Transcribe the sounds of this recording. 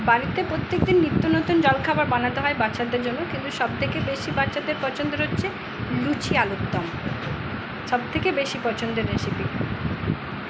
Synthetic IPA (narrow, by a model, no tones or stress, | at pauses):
baɾit̪epɾot̪ːek̚d̪inːit̪ːonot̪und͡ʑɔlkʰabaɾbanat̪eɦɔebatːʃad̪eɾd͡ʑonːokint̪uʃɔb̚t̪ʰekebeʃibatːʃad̪eɾpɔt͡ɕʰond̪oɾotːɕʰe | lut͡ɕʰialot̪ːɔm | ʃɔb̚t̪ʰekebeʃipɔt͡ɕʰond̪eɾːeʃipi